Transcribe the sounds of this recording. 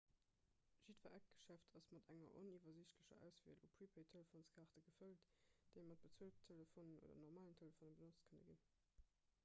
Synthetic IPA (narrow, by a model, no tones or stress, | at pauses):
ʒ̥idvaʔæk̚ɡ̥ə̥ʃæftʰɑsmɑdæŋɐ̰ʔɔnivɐziɕtləɕɐ̰ʔæ̰ʊsv̥iəlṵpʰɹipʰəɪtʰeləfoːnskʰaʁtəɡəfəltd̥eɪmɑt̚b̥ət͡suəlttʰeləfoːnənʔo̰dɐ̰nɔʁmaːləntʰeləfoːnəbənot͡stkʰənə̰ɡḭn